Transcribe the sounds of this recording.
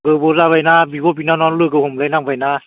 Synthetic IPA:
kɯboːsaːwajnaːbiːboːp̬iːnaːnɔːnlɯkɯhomlanaŋfajnaː

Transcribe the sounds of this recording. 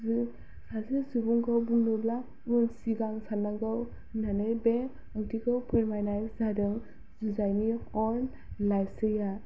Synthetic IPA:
zɯ | sazɯzubuŋɡawbuŋnubla | unsiɡaŋsanaɡɯw | nanɯjbe | aktikɯwpʰeɾmajnajszadɯŋ | zuzajniɔn | lajsɯja

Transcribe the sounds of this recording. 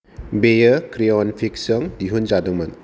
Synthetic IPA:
bejəkɾiɔnpʰik̚sɐŋdiɦunzadɯŋman

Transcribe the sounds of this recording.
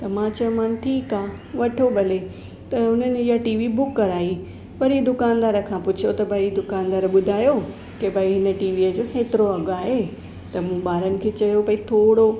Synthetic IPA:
t̪ɐmãːt͡ɕɐjõmaːnʈʰiːkaː | ʋɐʈʰobʱɐle | t̪ɐɦʊn̤ənɪ̆ijaʈiːʋibʊkːɐɾaːi | pɐɾid̪ʊkaːnd̪aːɾə̆kʰãpʊt͡ɕʰjot̪ɐbʱɐid̪ʊkaːnd̪aːɾəɓʊd̪ʱaːjo | kebʱɐiɦɪnəʈiːʋiəd͡ʑoːxeːt̪ɪɾoɐɡaːɦe | t̪ɐmũːɓaːɾənɪ̆kʰeːt͡ɕɐjopɐĩt̪ʰoːɽo

